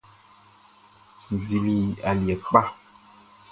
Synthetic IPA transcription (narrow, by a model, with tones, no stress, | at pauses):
n˨di˨li˨a˨li˨ɛ˨k͡pa˦